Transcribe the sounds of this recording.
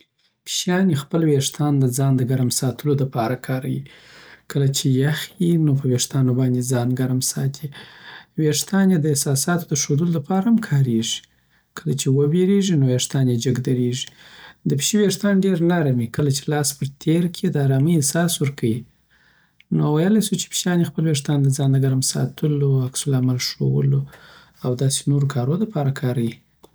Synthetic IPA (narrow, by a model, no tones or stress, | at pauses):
pʃjɑnjexpəlweʂt̪ʰɑnd̪əd͡zɑnd̪əɡaɾamsɑt̪ʰəlod̪əpɑɾakʰɑɾawḭkəlat͡ʃejaxjinopəweʂt̪ɑnobɑnd̪ed͡zɑnɡaɾamsɑt̪ʰiweʂt̪ɑnjed̪əɪhsɑsɑt̪o̥d̪əʃod̪əlod̪apɑɾaamkʰɑɾeʐi̥ | kəlat͡ʃewəbeɾeʐinoweʂt̪ɑnjed͡ʒəɡd̪aɾeʐi̥d̪əpʃiweʂt̪ɑnɖeɾnaɾamikəlat͡ʃe̥lɑspəɾt̪ʰeɾkʰed̪əaɾɑmiesɑswəɾkʰawi | nowajəlajsut͡ʃe̥pʃɑnjexpəlweʂ̬t̪ɑnd̪əd͡zɑnd̪əɡaɾmsɑ̰t̪ʰəloaksʊlamalʂo̰wə̰lo | awd̪ɑse̥noɾokʰɑɾod̪əpɑɾakʰɑɾawi